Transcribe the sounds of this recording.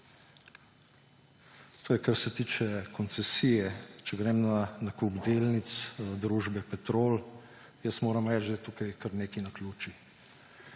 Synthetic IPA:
t̪ʰoːjɛkaɾsɛt̪iːt͡ʃɛkɔnt̪sɛsiːjɛt͡ʃɛɡɾɛːmnanakuɡd̪eːlnit̪sd̪ɾuːʒbɛpɛt̪ɾoːl | jəsmoːɾamɾɛːd͡ʒd̪ɛt̪ukajkɐɾneːkinaklʲuːt͡ʃi

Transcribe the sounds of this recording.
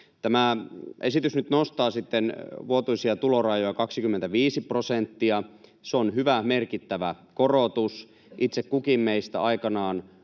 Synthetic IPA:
t̪æmæʔesit̪ysnyt̪nost̪ɑːsit̪ːenʋuot̪uisiɑt̪ulorɑjojɑkɑksikymːent̪æʋiːsiprosent̪ːiɑseonɦyʋæmerkit̪ːæʋækorot̪us | ʔit̪sekkukimːeist̪æ̰ɑikɑnɑːn

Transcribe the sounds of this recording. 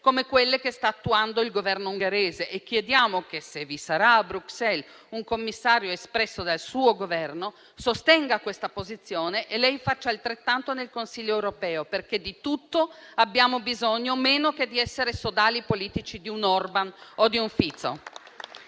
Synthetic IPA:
komekwelːekest̪aːt̪ːuand̪oilɡovɛrnouŋɡeɾeːzeʔek̟ːjed̪jaːmokesevisaɾaːbɾuksɛl | uŋkomːisːaːɾjoespɾɛsːod̪alsuːoɡovɛrno | sost̪ɛŋɡakwest̪apozit̪sːjoːneʔelɛjfat͡ʃːaːlt̪ɾet̪ːant̪onelkonsiʎːoɛwɾopɛːoperked̪it̪ut̪ːoabːjaːmobizoɲːomeːnoked̪iɛsːeɾesod̪aːlipoliːt̪it͡ʃid̪iunɔrbanod̪iuɱfit̪so̰

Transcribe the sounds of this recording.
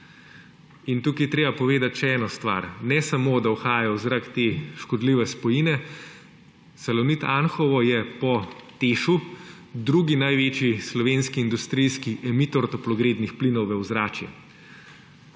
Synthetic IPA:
int̪uːkijt̪ɾeːbapɔʋeːd̪at̪ʃɛɛːnɔst̪ʋa̰ːɾnɛsamod̪awxaːjaawzɾakt̪eʃkɔd̪liʋɛspɔjinɛ | sɐlɔwnit̪anxɔʋɔjɛpɔt̪eːʃu | d̪ɾuːɡinajʋeːt͡ʃjislɔʋeːnskiːnd̪ust̪ɾijskiʔɛmit̪oɾt̪ɔplɔɡɾeːd̪nixplinɔwʋɛwzɾaːt͡ʃjɛ̰

